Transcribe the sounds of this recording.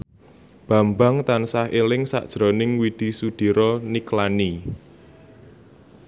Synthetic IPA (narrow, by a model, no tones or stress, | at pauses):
b̥ä̤mbaŋt̪ansahelɪŋsa̰ʔd̥ʒ̥ɾonɪŋwid̪̥i̤sud̪̥i̤ɾɔniklani